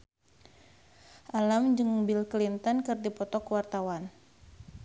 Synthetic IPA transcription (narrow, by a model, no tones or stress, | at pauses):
ʔalamd͡ʒɨŋbilklint̪ɔnkɨrdipɔt̪ɔkwart̪awan